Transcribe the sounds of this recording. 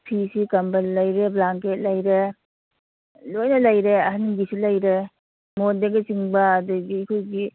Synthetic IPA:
pʰisikɐmbɐlːɐjɾeblaŋket̚lɐjɾe | lojnɐlɐjɾeɐɦaniɡisilɐjɾe | mondeɡesiŋbɐːduɡiːkʰojɡi

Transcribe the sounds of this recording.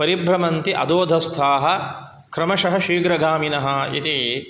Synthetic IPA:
pɐɾibɾɐmɐnt̪iʔɐ̰d̪oːd̪ʱɐst̪ʰaːɦɐ̆ | kɾɐmɐʃɐɦɐʃiːɡɾɐɡaːminɐɦɐ̆ḭt̪i

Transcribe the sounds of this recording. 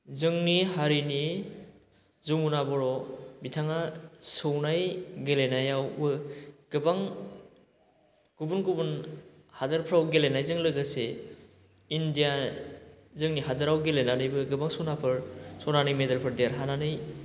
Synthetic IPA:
zɯŋnihaɾini | zumunabɔɾɔbitʰaŋasɯwnajɡelenajawbɯɡ̥ɯbaŋ | ɡ̥ubunɡubun | hadaɾpʰɾawɡelenajzɯŋlɯɡase | indija | zɯŋniɦadɯɾawɡelenanɯjbɯɡɯbaŋsɯwnapʰɯɾsɔwnanijmedalpʰɯɾdejaɾɦananɯj

